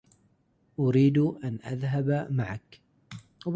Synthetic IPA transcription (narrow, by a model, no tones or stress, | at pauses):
ʔʊɾiːd̪ʔanʔa̰ðɦabmaʕak | b